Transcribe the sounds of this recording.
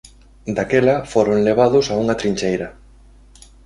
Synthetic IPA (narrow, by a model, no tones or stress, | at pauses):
d̪akɛlɐfoɾoŋleβ̞aðʊsauŋɐt̪ɾiɲʲt͡ʃejɾɐ